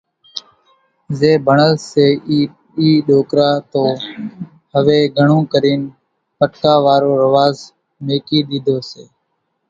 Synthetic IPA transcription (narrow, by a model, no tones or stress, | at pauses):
zeːbʱəɳəlseː | iːɗoːkɾaːt̪oː | həʋeːɡʱəɳõːkəɾiːn | pəʈkaːʋaːɾoːɾəʋaːz | meːkiːɗ̪ɪd̪ʱoːseː